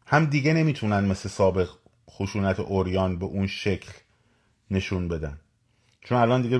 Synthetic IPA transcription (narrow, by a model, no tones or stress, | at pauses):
hæmd̪iːɡe̞ne̞miːt̪ʰunænd̪me̞slesɒːbe̞ɣ | xoʃuːnæt̪ʰḛʔoɾjɒːnbe̞ʔunʃe̞cʰl | ne̞ʃunbe̞d̪æn | t͡ʃʰonælɒːnd̪iɡe